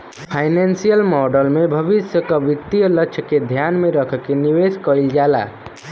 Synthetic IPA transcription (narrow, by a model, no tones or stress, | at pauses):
pʰajnensijəlmɔɖəlmebʱəbisjəkəbit̪ijələtːt͡ʃʰəked̪ʱjanmeɾəkʰkeniʋeskəild͡ʒala̰